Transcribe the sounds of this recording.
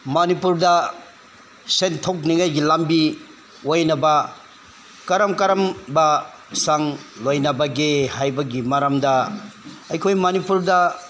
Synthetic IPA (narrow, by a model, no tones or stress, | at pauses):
mɐnipuɾdɐ | sentʰok̚niŋajɡilambi | ojnɐbɐ | kɐɾɐmkɐɾɐmbɐ | saŋlojnɐbɐɡehajbɐɡimaɾɐmdɐ | ɐjkʰojmɐnipuɾdɐ